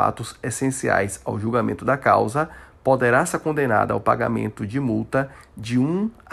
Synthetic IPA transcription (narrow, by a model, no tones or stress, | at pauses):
a̰t̪ʊzesẽsia̰jsa̰wʒuwɡamẽnt̪ʊd̪ɐka̰wzɐpod̪eɾaseɾkõnd̪ena̰d̪ɐa̰wpa̰ɡa̰mḛ̃nt̪ʊd͡ʒɪmuwt̪ɐd͡ʒɪũ